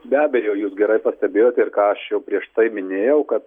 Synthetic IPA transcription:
bʲæːbʲɛjɛʊjuːsɡʲɛɾɐɪpɐsʲt̪ʲɛbʲeːjoːt̪ʲɛɪrkɑːɐʃjɛʊpʲɾʲiɛʃt̪ɐɪmʲɪnʲeːjɛʊkɐt̪

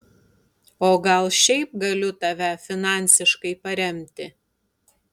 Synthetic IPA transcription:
oːɡɐlˠʃʲɛɪp̚ɡɐlʲʊt̪ɐʋʲæfʲɪnɑˑnʲsʲɪʃkɐɪpɐɾʲɛmʲt̪ʲɪ

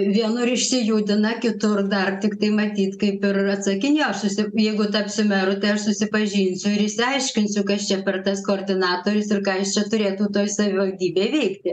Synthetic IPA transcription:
ʋʲiɛnʊɾɪʃʲsʲɪjuːd̪ʲɪnɐkʲɪt̪ʊrd̪ɐrt̪ʲɪkt̪ɐɪmɐt̪ʲiːt̪kɐɪpɪrɐt̪sɐkʲɪnʲoɐʃsʊsʲɪjɛɪɡʊt̪ɐpsʲʊmʲɛɾʊt̪ɐɪɐʃsʊsʲɪpɐʒʲiːnʲsʲʊɪɾɪʃʲsʲɪɐɪʃʲkʲɪnʲsʲʊkɐst͡ʃʲɛpʲɛrt̪ɐskoːrʲd̪ʲɪnɑːt̪oːɾʲʊsɪrkɑːɐʃt͡ʃʲɛt̪ʊɾʲeːt̪uːt̪oːjsɐʋʲɪʋɐlʲd̪ʲiːbʲeːʋʲɛɪkt̪ʲɪ

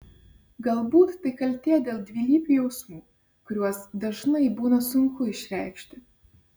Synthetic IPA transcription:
ɡɐlˠbuːt̪ːɐɪkɐlʲt̪ʲeːjd̪ʲeːlˠd̪ʲʋʲiːlʲiːpʲujɛʊsmuː | kʊɾʲuɔsd̪ɐʒnɐɪbuːnɐsʊŋkʊɪʃʲɾʲæɪkʃʲt̪ʲɪ

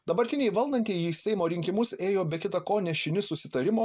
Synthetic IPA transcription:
d̪ɐbɐɾʲt̪ʲɪnʲɛɪʋɐlˠd̪ɐnʲt̪ʲɛɪisʲɛɪmoːɾʲɪŋʲkʲɪmʊseːjoːbʲɛkʲɪt̪ɐkoːnʲɛʃʲɪnʲɪsʊsʲɪt̪ɐɾʲɪmoː

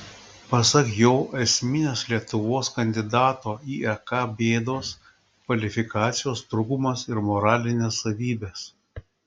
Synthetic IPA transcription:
pɐsɐkjoːʔɛsʲmʲɪnʲeːslʲiɛt̪ʊʋoːskɐnʲd̪ʲɪd̪ɑːt̪oːiːɛkɑːbʲeːd̪oːs | kɐlʲɪfʲɪkɑːt̪sʲɪjoːst̪ɾʊɡʊmɐsɪɾmɔɾɑːlʲɪnʲeːsːɐʋʲiːbʲeːs

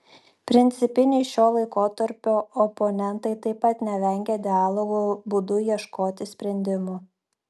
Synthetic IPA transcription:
pʲɾʲɪnʲt̪sʲɪpʲɪnʲɛɪʃʲoːlˠɐɪkoːt̪ɐɾʲpʲoːɔpɔnʲɛnt̪ɐɪt̪ɐɪpɐt̪nʲɛʋʲɛŋʲɡʲɛd̪ʲɪɑːlˠoɡobʊd̪ʊjiɛʃkoːt̪ʲɪsʲpʲɾʲɛnʲd̪ʲɪmu

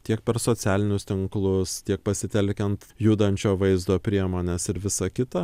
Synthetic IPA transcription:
t̪ʲiɛkpʲɛɾsoːsʲæːlʲɪnʲʊst̪ʲɪŋklˠʊst̪ʲiɛk̚pɐsʲɪt̪ʲɛlʲkʲɛnt̪juːd̪ɐnʲt͡ʃʲoːʋɐɪzd̪oːpʲɾʲiɛmoːnʲeːsɪɾʋʲɪsɐkʲɪt̪ɐ

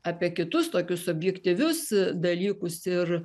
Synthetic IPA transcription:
ɑːpʲiɛkʲɪt̪ʊst̪oːkʲʊsɔbʲjɛkt̪ʲiʋʲʊsd̪ɐlʲiːkʊsɪr

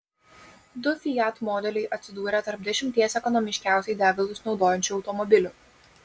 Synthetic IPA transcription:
d̪ʊfʲɪjæt̪mɔːd̪ʲɛlʲɛɪʔɐt̪ʲsʲɪd̪uːɾʲɛt̪ɐɾp̚d̪ʲɛʃʲɪmʲt̪ʲiɛsɛkɔnɔmʲɪʃʲkʲæˑʊsʲɛɪd̪ʲæːɡʲɐlˠʊsnɒʊd̪oːjɛnʲt͡ʃʲʊɒʊt̪ɔmɔbʲɪlʲʊ

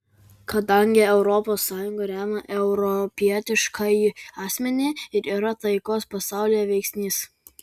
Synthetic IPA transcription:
kɐd̪ɐŋʲɡʲɪɛʊɾɔpoːsːɑːjʊŋɡɐɾʲæːmɐʔɛʊɾɔpʲiɛt̪ʲɪʃkʰɐjɑːsʲmʲɛnʲeːɪɾiːɾɐt̪ɐɪkoːspɐsɑˑʊlʲijɛʋʲɛɪksʲnʲiːs

